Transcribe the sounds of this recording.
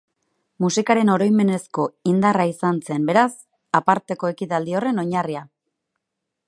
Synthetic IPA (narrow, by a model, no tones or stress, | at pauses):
musikaɾe̞no̞ɾo̞jme̞ne̞sko̞ind̪araisanse̞mbe̞ɾas | apaɾt̪e̞ko̞e̞kit̪ald̪io̞re̞no̞ɲaria